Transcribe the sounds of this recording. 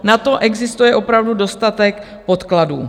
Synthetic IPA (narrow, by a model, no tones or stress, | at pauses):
nat̪o̞ʔɛɡzɪst̪ujɛʔo̞pɾavdudo̞st̪at̪ɛk | po̞t̪kladṵː